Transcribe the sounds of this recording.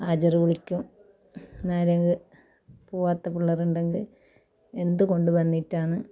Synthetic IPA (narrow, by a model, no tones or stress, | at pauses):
aːd͡ʑɐruʋuɭikʲːum | naːɾɐŋɡɨ | puːʋaːt̪ːɐpuɭːɐruɳɖeŋɡil | e̞nd̪uko̞ɳɖuʋɐnːitːaːɳɨ